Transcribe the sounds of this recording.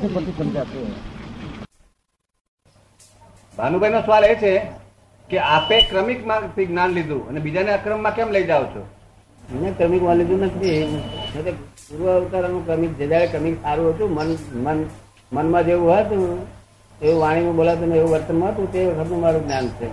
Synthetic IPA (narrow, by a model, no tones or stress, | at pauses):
pət̪ʰisəmd͡ʒat̪u | bʱanubʱajnosʋalet͡ʃʰe | keapekɾəmikmãt̪ʰiɡnanlid̪ʱũə̰nebid͡ʒaneəkɾəmːãkɛmləid͡ʒaʋot͡ʃʰo̰ | nẽkɾəmikʋənlid̪ũnət̪ʰiẽt̪eɡuɾʋəːʋt̪aɾənũkɾəmik̚d͡ʒəd͡ʒaɭekɾəmiksaɾũɦət̪ũmənmən | mənmãd͡ʒeʋũɦət̪ũ | eʋũʋaɽ̃imãbolaʋt̪̬uneeʋũʋəɾt̪ənmãɦət̪ũt̪eʋəkʰət̪nũmaɾũɡnjant͡ʃʰe